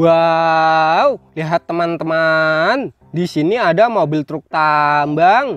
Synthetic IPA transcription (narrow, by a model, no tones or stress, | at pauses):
wa | wliɦat̪ːəmant̪əman | disiniadamobɪlt̪ɾʊk̚t̪ambaŋ